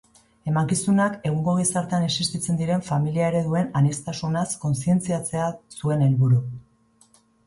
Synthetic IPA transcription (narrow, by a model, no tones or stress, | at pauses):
e̞maŋkisunake̞ɣ̞uŋɡo̞ɣ̞isaɾt̪eane̞sist̪it͡se̞nd̪iɾe̞ɱfamiliaeɾe̞ðue̞nanest̪asunasko̞nsie̞nt͡siat͡se̞asue̞ne̞lβuɾu